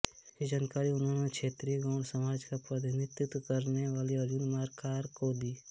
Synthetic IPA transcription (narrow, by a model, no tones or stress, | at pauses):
kid͡ʒaːnkaːɾiʊnɦõːnekʃʰeːt̪ɾiɡãʊɽsɐmaːd͡ʒkapɾəd̪ʱnɪt̪jʊt̪kəɾneʋaːliɐd͡ʒʊnmaːɾkaːɾkod̪iː